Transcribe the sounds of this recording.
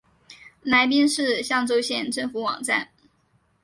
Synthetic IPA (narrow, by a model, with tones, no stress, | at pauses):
la˧˥ɪp̬i˥nʂɻ̩˥˧ɕjɑ˥˩ŋʈ͡ʂo˥ʊɕjɛ˥˩nʈ͡ʂɤ˥˩ŋfu˨˧˥wɑ̰˨˩ŋʈ͡ʂa̰˥˩n